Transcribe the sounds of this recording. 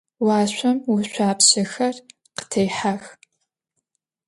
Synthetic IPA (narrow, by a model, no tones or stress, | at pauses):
wɑːɕʷɐmwʊɕʷaːpɕɐxɐr | qə̥tʰejħax